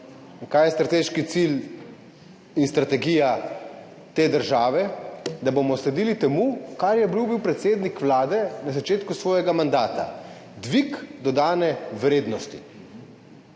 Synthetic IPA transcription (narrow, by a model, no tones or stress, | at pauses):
kaːjɛst̪ɾat̪eːʃkit̪sil | inst̪ɾat̪ɛɡija | t̪eːd̪əɾʒaːʋɛd̪abomɔslɛd̪iːlit̪ɛmukaɾjɛbiwbiwpɾɛt̪seːd̪nikʋlaːd̪ɛnazat͡ʃeːt̪kusʋɔːjɛɡamand̪aːt̪a̰ | d̪ʋikd̪ɔd̪aːnɛʋɾeːd̪nɔst̪i